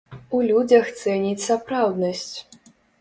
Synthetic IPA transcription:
ulʲud͡zʲɐxt̪sɛnʲit͡sʲsapɾawd̪nɐsʲt͡sʲ

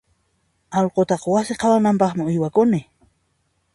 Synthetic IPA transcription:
ɑlqot̪ɑqwasɪqʰɑwanampɑχmɪʊjwakʊnɪ

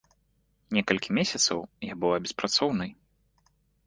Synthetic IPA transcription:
nʲɛkɐlʲkʲʰimʲesʲɐt̪sɐwjabɨwˠabʲɛspɾat̪sɔwnɨj

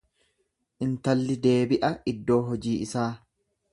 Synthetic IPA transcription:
ʔɪnt̪ɐlːɪd̪e̞ːbɪʔɐɪd̪ːo̞ːɦɔd͡ʒiːɪsaː

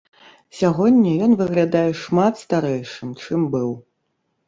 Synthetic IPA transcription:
sʲaɣɔnʲːɐjɔnvɨɣlʲad̪ajɛʂmat̪st̪aɾɛjʂɨmt͡ʂɨmbɨw

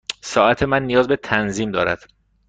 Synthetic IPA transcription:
sɒːæt̪ʰe̞mænːijɒːzbet̪ʰænziːmd̪ɒːɾæ̰d̪̥

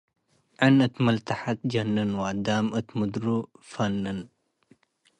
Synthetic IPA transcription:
ʕanət̪məlt̪aħat̪̚d͡ʒɐnːənwaːd̪aːmət̪mud̪ɾufanːən

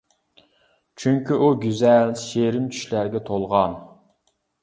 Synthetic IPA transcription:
t͡ʃʰyŋkʲiʔuɡʲyzɛlʃeɾɪmt͡ʃʰy̥ʃlæɾɡʲɛt̪ʰolˠʁɑn

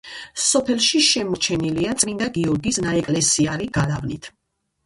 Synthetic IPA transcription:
sɔpʰɛlˠʃiʃɛmɔt͡ʃʰɛniliat̪sʼmind̪aɡiɔɾɡisnaɛkʼlɛsiaɾiɡalavnit̪ʰ

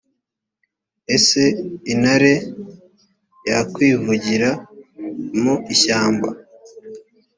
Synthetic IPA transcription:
e̞se̞inaɾe | jakwiːvuɟiɾa | moiçaːmba

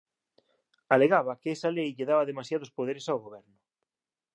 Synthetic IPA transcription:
aleɣaβɐkeesalejʎeðaβɐðemasjaðospoð̞eɾesaoɣoβɛɾnʊ

